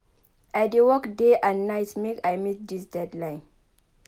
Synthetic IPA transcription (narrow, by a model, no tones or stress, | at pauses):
ajdewɔkdeʔãnnajtmekajmit̚disdɛdlãjn